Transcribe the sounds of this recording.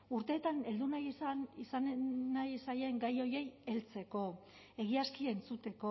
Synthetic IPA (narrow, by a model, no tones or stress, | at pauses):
uɾt̪e̞ːt̪ane̞ld̪unajsanisanːajsaje̞ŋɡajo̞je̞je̞lt͡se̞ko̞ | e̞ɣiaskiaent͡sut̪e̞ko